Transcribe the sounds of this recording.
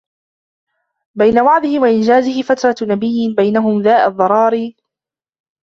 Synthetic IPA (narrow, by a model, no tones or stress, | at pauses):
bajnawaʕd̪ɪhɪwaʔɪnd͡ʒaːzɪhɪfat̪ɾˤɑnabɪjːɪbajnaɦʊmðaːʔaðˤːɑɾˤɑːɾiː